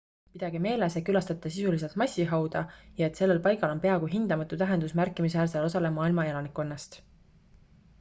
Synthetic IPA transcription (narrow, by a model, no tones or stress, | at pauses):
pid̪̥ɑɡ̥ime̞ːlesekylɑst̪ɑt̪ːˑɑsisulis̬elt̪̚mɑsʲːiɦɑwd̪̥ɑjɑe̞t̪se̞lːe̞lpɑjɡɑlo̞npe̞ɑɡuɦind̪̥ɑmɑt̪ːˑut̪æɦe̞nd̪usmærkˑːimis̬æːɾselo̞sɑle̞mɑːilmɑelɑnikːˑo̞nːɑst̪